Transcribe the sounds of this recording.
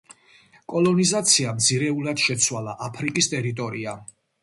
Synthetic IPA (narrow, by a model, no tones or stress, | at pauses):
kʼɔlˠɔnizat̪sʰiamt̪sʰiɾɛulad̪̥ʃɛt̪sʰwalaʔapʰɾikʼist̪ʼɛɾit̪ʼɔɾia